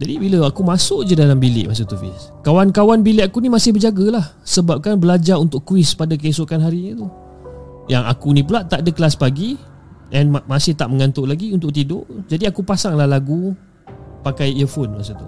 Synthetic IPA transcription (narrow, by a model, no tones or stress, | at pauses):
d͡ʒadibiləakumãsʊʔd͡ʒədalambilɪ̰ʔmas̬at̪ufɪ̰s | kawankawanbilɪʔakunimasɪhbəd͡ʒaɡəlah | səbap̚kanbəlad͡ʒaɾunt̪ʊʔkwɪspadak̬əesokanɦaɾiɲit̪u | jaŋa̰kunĩp̬ulaʔt̪aʔdəkəlaspaɡi | ʔɛnmasɪht̪aʔməŋant̪ʊʔlaɡiunt̪ʊʔ̚t̪idʊʔd͡ʒadiakupasaŋlahlaɡu | pakajiəfʊnmasat̪u